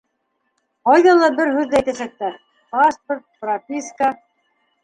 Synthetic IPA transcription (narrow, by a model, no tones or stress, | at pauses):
qɑjðɑlˠɑbɘɾhʉðːææjt̪æsæk̚t̪æ | pasport̪̚prapʲiska